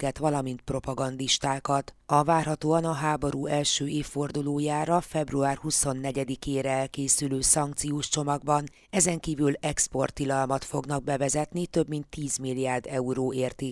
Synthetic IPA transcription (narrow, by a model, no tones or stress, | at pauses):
ɡɛt̪ʋɒlɒmint̪̚pro̞pɒɡɒnd̪iʃt̪aːkɒt̪ɒvaːrɦɒt̪oːɒnɒɦaːbo̞ɾuːɛlʃøːeːfːo̞rd̪uloːjaːɾɒfɛbruaːrhuso̞nːɛɟɛd̪ikeːɾɛɛlkeːsyløːsɒŋk̚t̪sijoːʃt͡ʃo̞mɒɡbɒn | ɛzɛŋkiːvylɛkspo̞rt̪ːilɒlmɒt̪fo̞ɡnɒɡ̚bɛvɛzɛt̪nit̪ø̞bmint̪ʰːiːzmilːiaːrd̪ɛuɾoːeːrt̪eː